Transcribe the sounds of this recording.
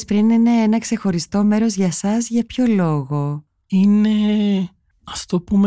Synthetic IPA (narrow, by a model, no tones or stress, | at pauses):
spɾinine̞enɐkse̞xo̞ɾist̪o̞me̞ɾo̞zʝɐsɐzʝɐpço̞lo̞ɣo̞ | ine | ɐft̪opum